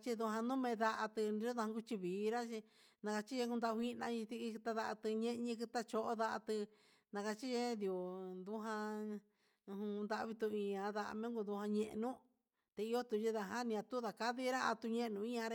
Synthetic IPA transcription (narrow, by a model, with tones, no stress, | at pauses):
t͡ʃi˧ðu˧ɦã˧nũ˦mẽ˧ða˧ʔa˧t̪ɨ˧n˧˦o˦ða˧hã˧ɡu˧t͡ʃi˧βiː˨˦˧ɾa˦t͡ʃi˧ | nã˧ka˧t͡ʃi˦ʒe˧ku˧nd̪a˧hi˦˧nã˧ɲĩ˧t̪i˧t̪a˧ða˧ʔa˧t̪ɨ˧ɲẽ˦ʔɲĩ˧˦kɨ˧t̪a˦˧t͡ʃo˧ʔo˦ða˧ʔa̰˧t̪ɨ˧ | nã˧ka˧t͡ʃi˦ʒe˦d̪jo˨nd̪u˦ɦã˧ | hũ˧nd̪a˧βi˧t̪u˧i˧ɲã˧ða˧ʔa̰˧mẽ˦ɡu˧d̪u˧hã˧ɲẽ˧ʔnũ˦ | t̪e˧i˧jo˦t̪u˧ʒi˧ða˧ɦã˦nĩ˧ã˧t̪u˦ða˨ka˦ði˦ɾa˦a̰˧t̪u˧ɲẽ˦˧nũ˧ĩ˦ɲã˧ɾ